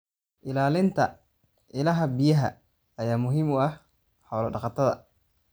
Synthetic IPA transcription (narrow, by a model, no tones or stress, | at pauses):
ʔɪlaːlɪnt̪ʰɐ | ʔɪlɐɦɐbɪjɐɦɐ̰ | ɐjaːmʊɦiːmʊɐh | ħɔːlɐɖɑqɑt̪ʰɐðɐ̰